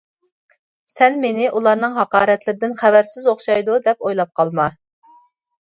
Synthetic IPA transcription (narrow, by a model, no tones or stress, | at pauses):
sɛnmenɪʔulˠɑɾnɨŋɦɑqɑːɾɛt̪lɪɾɪd̪ɪnχævæɾsɪzoχʃɑjd̪ud̪ɛpojlˠɑp̚qʰɑlˠmɑ